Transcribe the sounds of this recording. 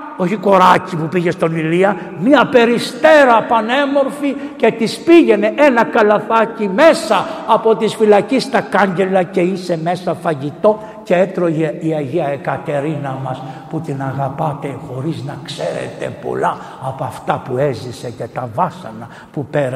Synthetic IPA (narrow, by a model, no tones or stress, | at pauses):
o̞çiko̞ɾɐcipupiʝest̪o̞niliɐ | mɲɐpe̞ɾist̪e̞ɾɐpɐnemo̞ɾfice̞t̪ispiʝe̞ne̞ʔenɐkɐlɐθɐcime̞sɐːpo̞t̪isfilɐcist̪ɐkɐɲɟe̞lɐce̞ise̞mesɐfɐʝit̪o̞ | ceet̪ɾo̞iɐʝiɐekɐt̪e̞ɾinɐmɐsput̪inɐɣɐpɐt̪e̞xo̞ɾiznɐkseɾḛt̪e̞̰po̞̰lɐː | poɐft̪ɐpue̞zise̞ce̞t̪ɐvɐsɐ̰nɐ | pupeɾ